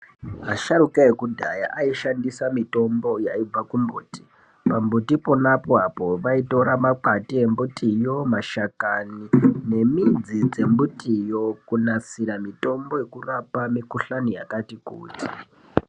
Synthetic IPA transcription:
ɦaʃaɾukaekudʱa̰ja̰ʔaiʃandisamito̞mbo̞jaib͡vakumbuːti̥ | pambutipo̞napoapo̞ʋaito̞ɾamak͡patie̞mbutijo̞maʃakanine̞mind͡zid͡ze̞mbutʰijo̞kunasiɾamito̞mbo̞je̞kurapamikuɬanijakatikṵːti̥

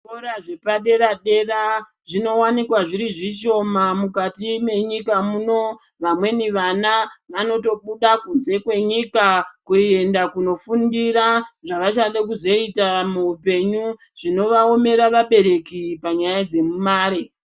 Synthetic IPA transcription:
oɾaʐe̞paɗe̞ɾaɗe̞ra | ʐino̞wanikwaʐiɾiʐiʃo̞mamukatime̞ɲikamuno̞ | ʋamwe̞niʋanaʋano̞to̞ɓuɗakunze̞kwe̞ɲikakuie̞ndakuno̞fundiɾaʐaʋat͡ʃaɗekuzo̞itamuupe̞ɲu | ʐ̥ino̞ʋao̞me̞ɾaʋaɓe̞ɾe̞kipaɲajad͡ze̞mumaːɾe

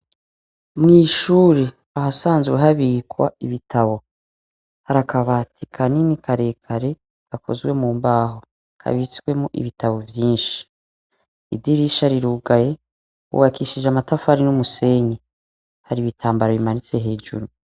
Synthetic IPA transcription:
mŋiːʃuːɾe̞ | ahasaːnzweɦaβikwa̰iβitʰaβo̞ | haɾakaβatʰikʰaninikʰaɾe̞ːkʰaɾe̞ | ɡ̥akʰo̞̰zɡwe̞muːmbaːɦo | kʰa̰βit͡swe̞muʔḭβitaβo̞vjiːnʃi̥ | idiɾiʃaɾiɾuːɡaje̞ | ṵβakiʃid͡ʒamatafaɾinumuse̞ɲe | haɾiβitʰaːmbaɾaβimanit͡se̞ɦe̞ːd͡ʒṵɾu

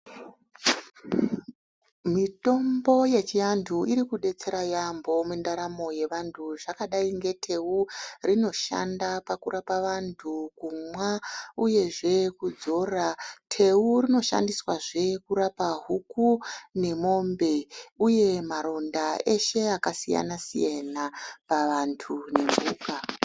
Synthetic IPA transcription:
mito̞mbo̞je̞t͡ʃijantʰuiɾikuɗe̞t͡se̞ɾajambo̞mundaɾamo̞je̞ʋantʰuʐakaɗaiŋɡe̞tʰe̞urino̞ʃa̰ndapakurʔapaʋantʰukumwauje̞ʐe̞kud͡zo̞ratʰe̞urino̞ʃa̰ndiswaʐe̞kuɾapaɦukune̞mo̞mbe̞uje̞maɾo̞ndae̞ʃe̞akasija̰nasḭjanapaʋantʰune̞mbʱuːka

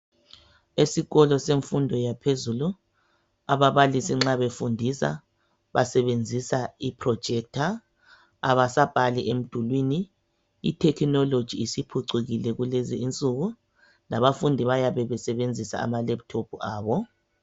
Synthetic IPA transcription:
esiɣɔlɔseɱfundʱɔjapʰezulu | aβaβalisiŋ͡ǁaβefundʱisa̰ | βasɛβend͡zʱisaipʰrɔ̥ʒ̥ʱɛk̚tʰa | aβasab̥ʱaliʔem̩d̥ʱulwiniː | tʰɛkʰnɔlod̥ʒ̥ʱiːsipʰuǀiɣilɛɣuleziʔint͡sʼuɣu | laβafundʱiβajaβɛβɛsɛβend͡zʱisa̰a̰malɛp̚tʰopʰuaːβɔ

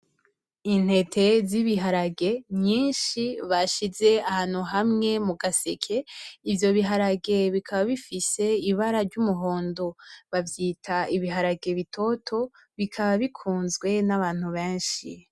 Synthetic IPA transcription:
in̥e̞tʰe̞ziβiɦaɾaɡe̞mɲiːnʃiβaʃize̞ahaːn̥uɦamŋe̞muɡasekʰe̞ivjo̞βiɦaɾaɡe̞βikʰaβaβifise̞iβaɾaɾɟumuɦo̞ːndo̞βavjiːtʰaiβiɦaɾaɡe̞βitʰo̞tʰo̞ | βikʰaβaβikʰuːnzɡwe̞naβaːn̥huβeːnʃḭ

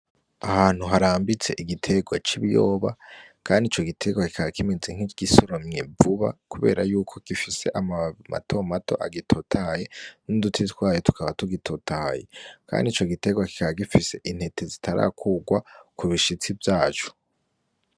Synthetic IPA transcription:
ahaːn̥uɦaɾaːmbit͡se̞ʔiɡitʰe̞ɡwat͡ʃiβjoːβa̰kʰaːndit͡ʃo̞ɡitʰe̞ɡwaki̥kʰaβakʰimezeŋ̥hiɡ̥isoɾomɲe̞vuβa̰kuβe̞̰ːɾajuːkʰo̞ɡ̥ifise̞ʔama̰tʰo̞matʰo̞̰ʔa̰ɡitʰotʰaːje̞nudutʰitɡwaːjotu̥kʰaβatuɡitʰotʰaje̞̰kʰa̰ːndit͡ʃoɡite̞ɡwaki̥kaβaɡifise̞ʔin̥he̞tʰe̞zitʰaɾa̰kʰuːɡwakuβiʃit͡sivjaːt͡ʃo̥

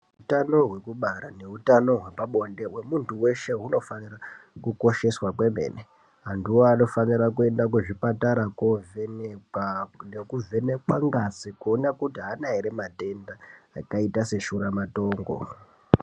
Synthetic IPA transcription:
ɦutano̞ɦwe̞kuɓaɾane̞utano̞ɦwepaɓo̞nde̞we̞muntuwe̞ʃe̞ɦuno̞fanirakuko̞ʃe̞swakwe̞me̞̰ːne | ɦandiwo̞ano̞fanirakue̞ndak̬uʐipataɾakovenekanekuve̞nekwaŋɡasikuonakutiɦanaiɾemate̞ndaːkaitase̞ʃuɾamato̞ːŋɡo̞̰

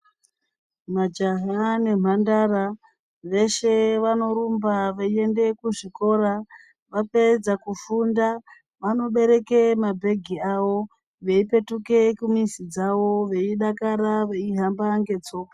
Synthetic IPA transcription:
mad͡ʒaɦane̞m̤andara | ʋe̞ʃe̞ʋano̞ɾumbaʋeie̞nde̞kuʐiko̞ɾa | ʋape̞d͡zakufunda | ʋano̞ɓe̞ɾe̞kemabʱe̞ɡʱiaʋo̞ | ʋe̞ipe̞tuke̞kumisid͡zaʋo̞ʋe̞iɗakaɾaʋe̞iɦambaŋɡe̞t͡so̞ːka

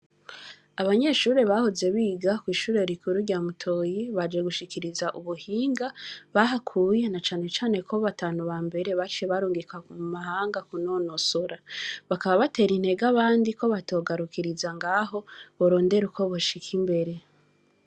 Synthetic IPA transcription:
aβaɲe̞ːʃuːɾe̞βahoze̞βiːɡakwiːʃuːɾe̞ɾikʰuɾuɾɟamutʰo̞ːjiβad͡ʒeɡuʃikiɾizaʔuβuhiːŋɡaβaɦakʰuje̞nat͡ʃaːne̞t͡ʃaːne̞kʰoβataːnuβambe̞ɾe̞βat͡ʃieβaɾuːŋɡikamumahaːŋɡakuno̞nosoɾaβakaβaβate̞ːɾinhe̞ɡaβaːndiko̞βato̞ɡaɾukiɾizaŋɡaːɦo̞βoɾo̞ːnde̞ɾuko̞βoʃikʰimbe̞ɾe̞

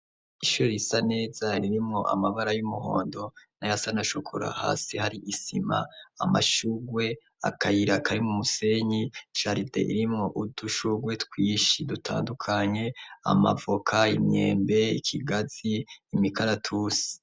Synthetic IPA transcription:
iʃuɾojisane̞ːzaɾiɾimŋo̞ʔa̰maβaɾajumuho̰ːndo̞najasanaʃokʰoɾa̰ha̰ːsihaɾiʔisima̰ːma̰ʃuɡwe̞ | a̰kajiɾakʰaɾimumuse̞ɲiʃaɾidḛʔḭɾimŋo̞ʔuduʃuɡwe̞tkwiːʃidutʰa̰ːndukʰaɲe̞a̰ma̰vokʰaimɲe̞̰ːmbe̞ikʰiɡaziːmikʰaɾatʰuːsi̥

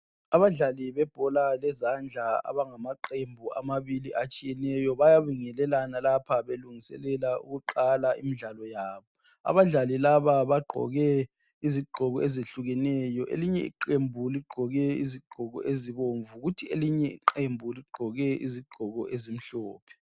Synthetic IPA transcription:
aβaɮaliβɛb̥ʱɔlalɛzand͡ɮʱaa̰βaŋamaǃembʱua̰maβiliʔat͡ʃʼijɛnɛjɔβajaβiŋɛlɛlanalapʰaβeluŋisɛ̰lɛlaṵɣuǃalaḭmiɮalɔjaːβɔ | a̰βaɮalilaβaβaɡ͡ǃʱɔ̰ɣɛ | iziɡ͡ǃʱɔɣɔezeɬuɣɛnɛjɔʔḛliɲɛ̰ḭǃembʱuliɡ͡ǃʱɔɣɛḭziɡ͡ǃ̥ʱɔɣɔ̰ʔeziβoɱvuɣutʰieliɲɛḭǃembʱuliɡ͡ǃʱɔɣɛʔḭziɡ͡ǃʱɔɣɔ̰ʔezim̩ɬɔːpʰɛ̥

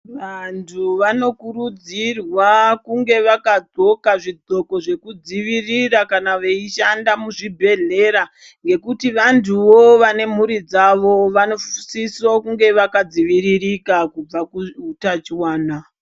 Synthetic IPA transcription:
ʋantʰuʋano̞kuɾud͡zirwakuŋɡe̞ʋakad͡zo̞kaʐid͡zʱo̞ko̞ʐe̞kud͡ziʋirirakanaʋeiʃandamuʐibʱe̞ɮe̞ɾa | ŋɡe̞kutiʋantʰuʋo̞ʋane̞m̤uɾid͡zaʋo̞ʋano̞sisokuŋɡe̞ʋakad͡ziʋiɾirikakub͡vakuutat͡ʃiwaːna

